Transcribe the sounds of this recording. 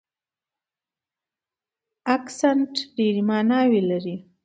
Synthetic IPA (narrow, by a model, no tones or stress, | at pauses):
aksanʈɖeɾimɑnɑwelaɾi